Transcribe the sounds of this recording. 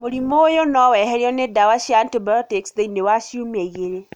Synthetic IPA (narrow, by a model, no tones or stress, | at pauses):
moɾimojonɔwɛhɛɾiɔnedawaʃjaːntibajɔteksðeinewaʃiumɛiɣeɾe